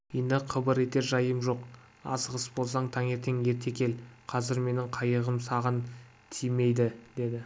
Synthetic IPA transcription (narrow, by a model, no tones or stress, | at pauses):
end̪ɪqʰəbəɾe̞t̪e̞ɾʒɑjəmʒo̞q | ɑ̰səʁəsbo̞lˠs̬ɑɴt̪ʰɑŋe̞ɾt̪ʰe̞ŋe̞ɾt̪ʰe̞kʲʰe̞lqʰɑzɪɾme̞nɪɴqʰɑjəʁəmsɑʁən | t̪ʰijme̞jd̪ɪd̪e̞d̪ɪ